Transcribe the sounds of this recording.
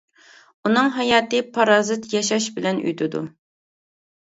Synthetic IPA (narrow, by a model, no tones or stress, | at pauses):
unɨŋɦɑjɑːt̪ɨpʰɑɾɑːzɨt̪jɑʃɑʃbɪlɛny̰jt̪ʰɪd̪ṵ